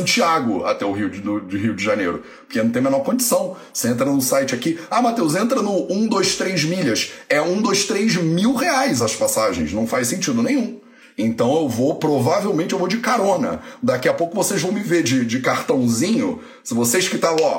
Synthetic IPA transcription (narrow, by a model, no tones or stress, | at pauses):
t͡ʃiaɡʊa̰t̪ɛʊɦiʊd̪ʊd͡ʒɪɦiwʊd͡ʒɪʒanḛjɾʊ | pʊ̥ɾkenɐ̃t̪ẽmenɔɾkõd͡ʒɪsɐ̃w̃voseẽnt̪̬ɾɐnʊsajt͡ʃɪakiamat̪ewzẽnt̪ɾɐnʊũd̪ojʃt̪ɾejzmiʎɐsɛũd̪ojʃt̪ɾejzmiwheajzɐspasaʒẽj̃snɐ̃w̃fajsẽnt͡ʃid̪ʊnẽj̃ũ | ẽnt̪ɐ̃w̃ewvopɾovavewmẽnt͡ʃɪewvod͡ʒɪkaɾõnɐ̰d̪akiɐpowkʊvosezvɐ̃w̃mɪveɾd͡ʒɪd͡ʒɪkaɾt̪ɐ̃w̃zĩɲʊ | sɪvoseʃkɪt̪ala